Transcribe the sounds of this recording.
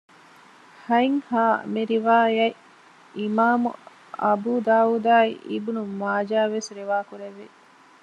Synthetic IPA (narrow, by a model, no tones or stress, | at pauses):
hɐiŋhaːmiɾiʋaːjɐi | imaːmṵ | ɐ̰buːd̪aːuːd̪aːiʔibunumaːd͡ʒaːʋesɾiʋaːkuɾeʋːe